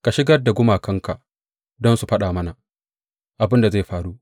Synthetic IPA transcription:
ka˨ʃɪ˦ɡɐ˦rda˨ɡʷʊ˦maː˨kʰɐ˦ŋka˨ʔ | dɔ˦nsu˨ɸɐ˦ɗaː˨mɐ˦na˨ | ʔa˨bɪ˦nda˨za˦˨ɸaː˨ɾuː˦

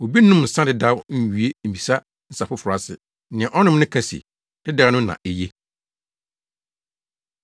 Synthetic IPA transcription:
o˨bi˦nũ˦mn̩˨sã˦dɪ˨da˦wɲ̩˦ɥɥe˦m̩˨bi˨sa˦ | n̩˨sa˨pʊ˦fʊ˨ɾa˦sɪ̰˨˦ | nɪ̃˨ɛ̃˨ʔɔ˦nʊ̃˦m˦nʊ̃˦kʰa˨sḭ˨ | d̥ɪ˦da˦nʊ̃˦nã̰˨ʔe˨je˦

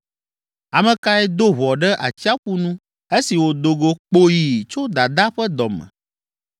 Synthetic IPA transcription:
a˨mɛ̃˨ka˦ɛ˦d̪o˦βɔ˨ɖɛ˦ʔa˨t͡ɕi˦a˦ɸu˦nũ˦ | e˦si˨wo˨d̪o˨ɡo˨k͡po˦ji˨t͡ʃo˦d̪a˨d̪a˦ɸɛ˦d̪ɔ˨mɛ̰̃˨

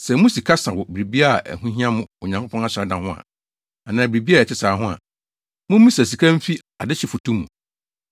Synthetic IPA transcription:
sɛ˨mũ˦si˨kʰa˦sã˨wɔ˨bɪ˨ɾi˨bi˦a˦˨ʔɛ̰˨hũ˦ɦĩ˦ã˦mʊ̃˦ʊ˨ɲã˨kʰo˦pʰɔ̃˦na˦ɕɛ˨˦dã˨hʊ̃˦a̰˨ | a˨nãː˨bɾi˨bi˦a˦˨ɛ˨t͡ɕʰɪ˦saː˨˦ɦʊ̃˦a̰˨ | mʊ̃˦m˦ĩ˦sæ˨s̬i˨kʰã˦m̩˦fi˦ | a˨dɪ˦t͡ɕʰɪ˦fʊ˨tʰũ˦mːṵ̃˨

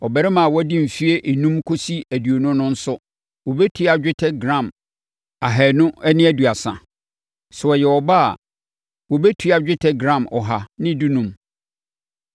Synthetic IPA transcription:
ɔ˨bæ˨ɾɛ˦mã˨wɔ˦æ˦dĩ˦m̩˨fi˦e˦ʔe˨nũ˦mkʰo˦si˦æ˨dɥo˨nʊ̃˦nʊ̃˦n̩˦sʊ˦ | wɔ˨bɛ˦tʰu˦a˨d͡ʑᶣɪ˦tʰɛ˦ɡɾã˦˨m | a˨ɦɛː˨nʊ̃˦ɛ˦nɪ̃˦æ˨du˨a˨sã̰˨ | sʊ˨ɔ˨jɛ˨wɔ˨ba˦a̰˨ | wɔ˨bɛ˦tʰu˦a˨d͡ʑᶣɪ˦tʰɛ˦ɡɾã˦˨mʔɔ˨ɦa˨nɪ̃˦du˦nũ˨m

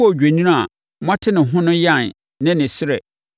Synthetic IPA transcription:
ɔ˨d͡ʑᶣe˨ɲĩ˦nã˦a˨ | mã˦tʰɪ˦nɪ̃˨ɦʊ̃˦nʊ̃˦jã˦˨n | nɪ̃˦nɪ̃˨sɪ˦ɾɛ˨

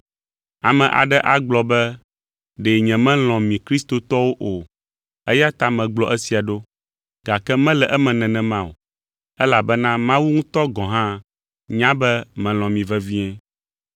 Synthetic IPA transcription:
a˨mɛ̃˨ʔa̰˨ɖɛ˦ʔa˨ɡ͡blɔ˨bɛ˦ | ɖe˨ɲɛ̃˨mɛ̃˦l̃ɔ̃˨mĩ˨kɾi˦st̪o˨t̪ɔ˦wo˦ʔo˨ | ɛ˦ja˦t̪a˨mɛ̃˨ɡ͡blɔ˨ʔɛ˦si˨a˨ɖo˦ | ɡ̥a˨kɛ˦mɛ̃˦lɛ˨ʔɛ˦mɛ̃˨nɛ̃˨nɛ̃˨mã˦˨o̰˨ | ɛ˦la˨bɛ˦nã˦mã˦wu˦ŋũ˦t̪ɔ˦ɡɔ̃˨ɦã˦ | ɲã˦bɛ˦mɛ̃˨l̃ɔ̃˨mĩ˨vɛ˦vi˦ɛ̃˦

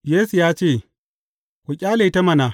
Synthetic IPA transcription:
jeː˦su˨jaː˦t͡ʃeː˦˨ | kʷu˨kʲʼaː˦le˨˦tɐ˦mɐ˦naː˨

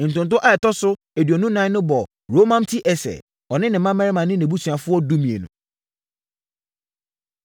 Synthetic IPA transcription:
n̩˨tʊ̃˨n˨t̬ʊ̃˦ʔa˦ɛ˨tɔ˦sʊ˦ | e˨dɥɔ˨nũ˦nã˦ɪ̃˦nʊ̃˦bɔ˨ | ɾo˦mã˦m˦tʰi˦ʔɛ˨sɛ̰˨ | ɔ˨nɪ̃˦nɪ̃˨mːã˦mɛ˦ɾɪ˦mã˨nɪ̃˦nẽ˨bu˦sʰu˨a˨fʊ˦ɔ˦du˦mĩ˨ḛ˨nṵ̃˨

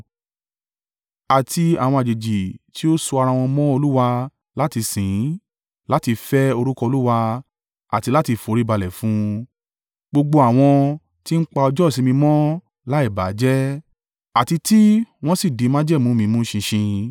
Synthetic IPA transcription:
a˨tʰi˧a̰˨w̃ɔ̃˧a˨d͡ʒe˨d͡ʒi˨ti˨˦o˦su˧a˧ɾã˧w̃ɔ̃˧mɔ̃˦o˧lu˦wa˧ | la˦ti˧sĩ˨˦ | la˦ti˧fɛ˦o˧ɾu˦kɔ˧o˧lu˦wa˧ | a˨ti˧la˦ti˧fo˨˦ɾi˦ba˧lɛ˨fũ˨˦ | ɡ͡bo˧ɡ͡bo˧a˨w̃ɔ̃˧ | ti˦n̩˦k͡pa˧ɔ˧d͡ʒɔ˦˨sĩ˨˧mĩ˧mɔ̃˦ | la˦i˦˨ba˨˦d͡ʒɛ˦ | a˨ti˧ti˦w̃ɔ̃˦si˦˨di˨˦mã˦d͡ʒɛ˦˨mũ˨˦mĩ˧mũ˦ʃĩ˧ʃĩ˧

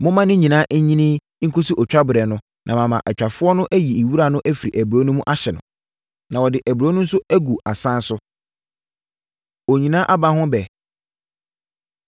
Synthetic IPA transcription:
mʊ̃˦mã˦nɪ̃˦ɲĩ˨nãː˦ʔɲĩ˦nĩ˦ | ŋ̩˦kʰo˦su˦ʔɔ˨t͡ɕᶣa˦bɾɛ˨nʊ̃˦ | nʔã̰˨mã˨mã˨ʔɛ˨t͡ɕᶣa˨fʊ˦ɔ˦nʊ̃˦ʔæ˦ji˨i˨wu˦ɾa˨nʊ̃˦ʔæ˦fi˨ɾi˨ʔæ˨bɾo˦nũ˦mũ˦ʔa˦ɕɛ˨nʊ̰̃˨ | nã˨wɔ˨dɪ˨ʔæ˨bɾo˦nʊ̃˦n̩˦sʊ˦æ˦ɡu˨a˨sã˦n˦sʊ˦ | o˨ɲĩ˨nã˦ʔa˦ba˦ɦʊ̃˦bɛ˨

